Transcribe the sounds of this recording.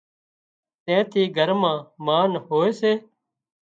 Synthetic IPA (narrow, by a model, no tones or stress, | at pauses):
t̪ɛ̃ːt̪ʰiːɡʱəɾmãːmaːnɦoːeːseː